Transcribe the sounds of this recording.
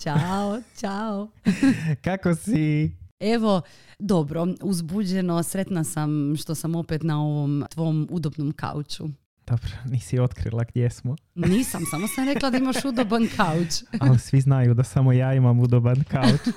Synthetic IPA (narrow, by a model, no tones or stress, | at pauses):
t͡ʃaot͡ʃao | kakosie̞ʋo̞ | d̪o̞bɾouzbud͡ʑe̞no̞sɾe̞t̪nasamʃt̪o̞samo̞pet̪nao̞ʋomt̪ʋo̞mud̪obnomka̰ut͡ʃu | d̪̥obɾaniːsio̞t̪kɾḭlˠaɡd̪jesmo | niːsamsamosamɾe̞klˠad̪aimaʃud̪obankʰaut͡ʃalisʋiznajud̪asamojaːimamud̪obankaut͡ʃ